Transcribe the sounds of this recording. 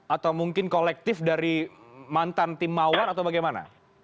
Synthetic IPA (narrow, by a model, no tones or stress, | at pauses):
at̪awmuŋkɪnkolɛk̚t̪ɪfdaɾimant̪ant̪ɪmawarat̪awbaɡajmana̰